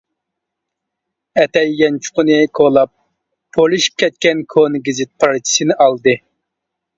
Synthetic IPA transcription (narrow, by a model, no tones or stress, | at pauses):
ɛt̪ɛjːɛnt͡ʃʰu̥qʊnɨkʰolˠɑp̚ʰː | olˠɨʃi̥p̚kʲʰɛt̪̚kʲɛnkʰonɡʲizɪt̪̚pʰɑɾt͡ʃʰi̥sɨnɪʔɑlˠd̪ɨ